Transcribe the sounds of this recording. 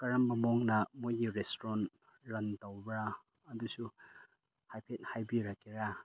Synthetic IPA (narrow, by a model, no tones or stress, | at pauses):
kɐɾɐmbɐmoŋnɐmojɡiɾestoɾon | ɾɐntowbɾaː | dusu | hajpʰet̚hajbiɾɐkːiɾa